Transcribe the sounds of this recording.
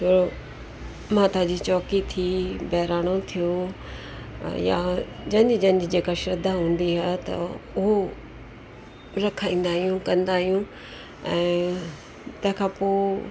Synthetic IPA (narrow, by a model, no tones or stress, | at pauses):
soːɾo | mãːt̪aːd͡ʑit͡ɕɔːkit̪ʰibɛːɾaːɽ̃ot̪ʰijo | ja̰d͡ʑɐ̃ɲd͡ʑɪd͡ʑɐ̃ɲd͡ʑɪd͡ʑeːkaʃɐd̪ʱaɦũːn̆d̪iɦaːt̪ɐ̰ʊɦo | ɾɐkʰaːĩːn̆d̪aːɦijũkɐ̃nd̪aːɦijũ | ɛ̃ː | t̪ɐ̃ɦɪ̃kʰãːpoː